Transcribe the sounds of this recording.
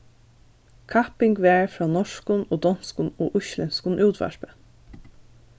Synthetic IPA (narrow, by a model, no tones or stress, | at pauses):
kʰapɪŋɡʋɛːɹfɹɑːnɔʂkʊnoːd̪ɔnskʊnoːʔʊʃlɪnskʊnʔuːt̪ʋæ̰ʃpə